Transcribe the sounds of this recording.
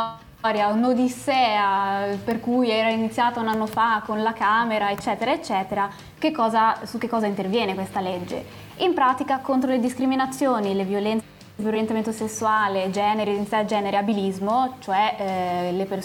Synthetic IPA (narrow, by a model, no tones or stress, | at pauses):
ɔɾjaonod̪isɛːaperkujɛːɾainit̪sːjaːt̪aunanːofakːonlakaːmeɾaet͡ʃːɛːt̪eɾaet͡ʃːɛːt̪eɾa | k̟ekːɔːzasuk̟ːekːɔːzaint̪ervjɛːnekwest̪aled͡ʒːḛ | impɾaːt̪ikakont̪ɾoled̪iskɾiminat̪sːjoːnilevjolɛnt̪ | veɾoɾjent̪ament̪osesːuaːled͡ʒɛːneɾed̪insad͡ʒɛːneɾeabilizmot͡ʃoɛleper